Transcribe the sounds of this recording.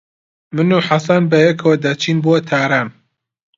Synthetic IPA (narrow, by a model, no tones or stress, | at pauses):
mɨnuħasanbɐjɛkʰɐwɐd̪ɐt͡ʃʰiːnbot̪ʰaːɾaːn